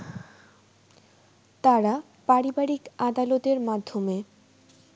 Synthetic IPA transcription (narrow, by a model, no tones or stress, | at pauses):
t̪aɾa | paɾibaɾikad̪alot̪eɾmad̪ʱːome